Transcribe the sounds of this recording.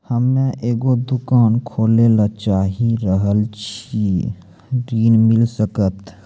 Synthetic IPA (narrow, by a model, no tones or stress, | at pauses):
həmːẽʔeːɡod̪ʊkaːnkʰoːlelat͡ʃaːɦiɾəɦəlt͡ʃʰi | ɖiːnmɪlsəkət̪